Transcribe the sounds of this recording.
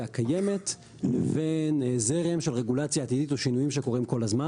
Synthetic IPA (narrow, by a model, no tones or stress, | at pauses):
akaje̞me̞t | leve̞nzeʁemʃelʁe̞ɡulat͡sjaːt̪iditoʃinujimʃe̞ko̞ʁimko̞lazma